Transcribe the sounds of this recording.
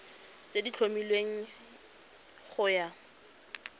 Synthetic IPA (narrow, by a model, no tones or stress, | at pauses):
t͡sedit͡ɬʰomilweŋ̩ | χʊja